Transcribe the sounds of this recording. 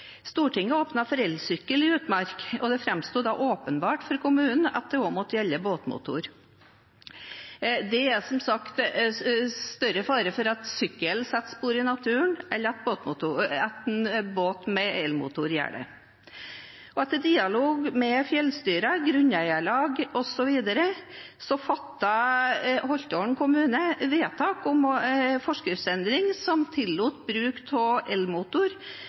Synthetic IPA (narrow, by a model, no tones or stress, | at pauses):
st̪uːʈʰɪŋːəoːpnɑfɔɾɛlsʏkːəlɪʉːt̪mɑɾkɔd̪ɛfɾɛmst̪uːd̪ɑʔoːpənbɑːʈfɔɾkʰʊmʉːnn̩ɑ̰t̪̚d̪ɛoːmɔt̪ːəjɛlːəboːt̪mʊ̰t̪ʊ̰ɾ | d̪ɛæsɔmsɑkt̪ | st̪œɾəfɑːɾəfɔɾɑt̪sʏkːəlsɛt̪ːspuːɾɪnɑt̪ʰʉːəɳʔɛlːəɾɑt̪̚boːt̪mʊt̪ʊɛt̪boːt̪mɛɛlmṵːt̪ʊɾjæ̰ːɖə̰ | ʔɔɛt̪ːəɖ̪iːɑloːɡmɛfjɛlst̪yːɾɑɡɾʉɲæɪəɭɑːɡɔsɔʋiːd̪əɾə | sɔfɑt̪ːɑ | hɔlt̪oɳkʰʊmʉːnəʋeːt̪ʰɑːkʊmfɔʂkɪsɛnd̪ɾɪŋsɔmt̪ʰɪlːuːt̪bɾʉːkt̪ʰɔʔɛlmuːt̪ʊɾ